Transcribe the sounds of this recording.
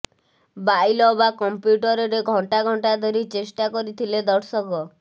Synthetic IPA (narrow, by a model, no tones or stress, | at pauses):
bajlɔbakɔmpjuʈɔɾɔɾeɡʱɔɳʈaɡʱɔɳʈad̪ʱɔɾit͡ʃesʈakɔɾit̪ʰiled̪ɔɽsɔkɔ